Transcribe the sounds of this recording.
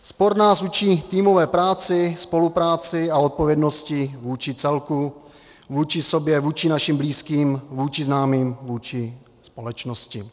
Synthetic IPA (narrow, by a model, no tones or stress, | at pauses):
spoɾnaːsut͡ʃiːt̪iːmovɛːpɾaːt͡sɪspo̞lupɾaːt͡sɪaot̪̚po̞vjɛdno̞scɪvuːt͡ʃɪt͡sɛlku | vuːt͡ʃɪsobjɛvuːt͡ʃɪnaʃɪmbliːskiːmvuːt͡ʃɪznaːmiːmvuːt͡ʃɪ | spo̞lɛt͡ʃnoscɪ